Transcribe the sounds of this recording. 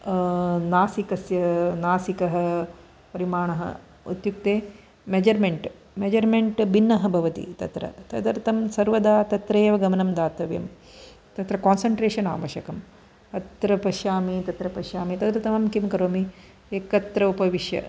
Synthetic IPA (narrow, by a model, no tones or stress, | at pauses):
naːsikɐsjɐnaːsikɐɦɐ | pɐɾimaːɳɐɦɐ̰ | ṵt̪juk̚t̪eː | med͡ʒɐɾmeɳʈ | med͡ʒɐɾmeɳʈbinːɐɦɐbʱɐʋɐt̪ḭt̪ɐ̰t̪ɾɐ̰t̪ɐ̰d̪ɐɾt̪ɐmsɐɾʋɐd̪aːt̪ɐt̪ɾeːʋɐɡɐmɐnɐmd̪aːt̪ɐʋjɐ̰m | t̪ɐt̪ɾɐkaːnsɐɳʈɾeːʂɐna̰ːʋɐʃɐkɐm | ɐt̪ɾɐpɐʃjaːmit̪ɐt̪ɾɐpɐʃjaːmit̪ɐɡt̪ɐt̪ɐmɐmkimkɐɾoːmi | eːkɐt̪ɾɐupɐʋiʃjɐ̰